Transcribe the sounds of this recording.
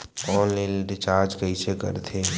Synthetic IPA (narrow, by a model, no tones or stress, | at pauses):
ɔːlɪlɖɪt͡ʃaːɾd͡ʒkəisekə̰ɾt̪ʰeː